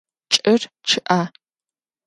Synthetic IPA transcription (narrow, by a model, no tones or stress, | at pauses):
t͡ʃʼɐr | t͡ʃʰɨʔaː